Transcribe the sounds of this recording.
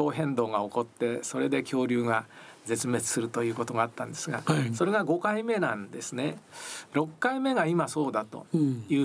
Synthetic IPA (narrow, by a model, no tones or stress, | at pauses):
o̞ːɦẽ̞nd̪o̞ːɡao̞ko̞t̪ːe̞so̞ɾe̞d̪e̞kʲʰo̞ːɾʲɨːɡaze̞t͡sɨme̞t͡sɨ̥sɨɾɯ̟t̪o̞jɯ̟ːko̞t̪o̞ɡaːt̪ːãnd̪e̞sɨɡaso̞ɾe̞ɡaɡo̞kaime̞nãnd̪e̞sɨne̞ɾo̞kːaime̞ɡaimaso̞ːd̪at̪o̞̰jɯ̟ː